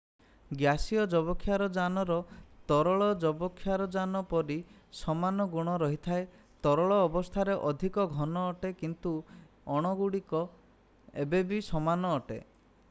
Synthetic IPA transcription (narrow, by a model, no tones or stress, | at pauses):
ɡjasiɔd͡ʒɔbɔkʰːjaɾɔd͡ʒanɔɾɔt̪ɔɾɔɭɔd͡ʒɔbɔkʰːjaɾɔd͡ʒanɔpɔɾi | sɔmanɔɡuɽ̃ɔɾɔɦit̪ʰae | t̪ɔɾɔɭɔːbɔst̪ʰaɾeʔɔd̪ʱikɔɡʱɔnɔːʈekint̪u | ɔɽ̃ɔɡuɽikɔ | ḛbebisɔmanɔːʈḛ